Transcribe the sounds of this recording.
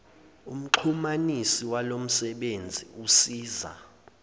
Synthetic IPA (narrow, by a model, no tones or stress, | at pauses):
ṵm̩ǃʰumanisiwalom̩sɛɓend͡zʱiusiːza̰